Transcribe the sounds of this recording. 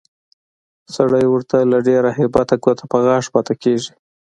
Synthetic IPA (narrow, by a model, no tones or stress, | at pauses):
saɽajwəɾt̪alaɖeɾahɪbɑt̪aɡot̪ʰapəɣɑʂpɑt̪akeʐi